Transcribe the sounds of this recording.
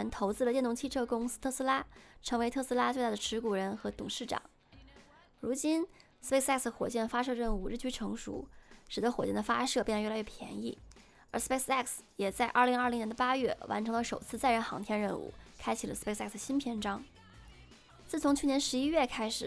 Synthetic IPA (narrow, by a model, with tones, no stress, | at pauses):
nt̪ʰo˧˥ʊt͡sɹ̩˥˩lə˩t͡ɕjɛ˥˩nʊ˧˥ŋt͡ɕʰi˥˧ʈ͡ʂʰɤ˥˩kʊ˥ŋs̩˥t̪ʰɤ˥˩s̩˥la˥ʈ͡ʂʰɤ˧˥ŋwe˧˥ɪt̪ʰɤ˥˩˧sɹ̩˥la˥t͡swt̪a˥˩ə˩ʈ͡ʂʰɻ̩˧˥ku˨˩ɻə˧˥nxɤ˧˥t̪ʊ̰˨˩ŋʂɻ̩˥˩ʈ͡ʂɑ̰˨˩˦ŋ | ɻu˧˥t͡ɕi˥n | s̩˧pe˥sɛ˥˩ksxwɔ˨˩t͡ɕjɛ˥˩nə˩fa˥ʂɤ˥˧ɻə˥˧nu˥˧ɻ̩˥˩t͡ɕʰy˧˥ʈ͡ʂʰɤ˧˥ŋʂṵ˧˥ʂɻ̩˨˩t̪ə˦˥xwɔ˨˩t͡ɕjɛ˥˩nd̪ə˩fa˥ʂɤ˥˩pjn˧˥˩lɥɛ˥˩pʰjɛ̰˧˥nḭ˥˩ | ə˞˧˥spe˥sɛ˥˩ks | jɛ˨˩t͡sa˥˧ɪʔɐ˞˥˩li˧˥ŋɐ˞˥˩li˧˥ŋnjɛ˧˥nd̪ə˧pa˥ɥɛ˥˩wa̰˧˥nʈ͡ʂʰɤ˧˥ŋlə˧ʂo˨˩ʊt͡sʰɹ̩˥˧t͡sa˥˧ɪɻə˥˩nxɑ̰˧˥ŋt̪ʰjɛ˥nɻə˥˧nṵ˥˩kʰa˥ɪt͡ɕʰi˨˩lə˦s̩˥pe˥ɪsɛ˥˩ksə˩ɕi˥npʰjɛ˧˥nʈ͡ʂɑ˥ŋ | t͡sɹ̩˥˩t͡sʰʊ˧˥ŋt͡ɕʰy˥˩njɛ˧˥nʂɻ̩˧˥i˥ɥɛ˥˩kʰa˥ɪʂɻ̩˨˩